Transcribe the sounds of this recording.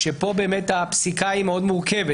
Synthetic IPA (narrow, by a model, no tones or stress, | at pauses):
ʃepo̞be̞ːmet̪apsikaimeo̞d̪muʁkeve